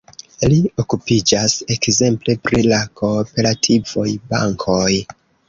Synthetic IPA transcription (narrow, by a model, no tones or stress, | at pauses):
lio̞kupid͡ʒase̞kze̞mple̞pɾilakʰo̞pe̞ɾatʰiv̥o̞jba̰ŋkʰo̞j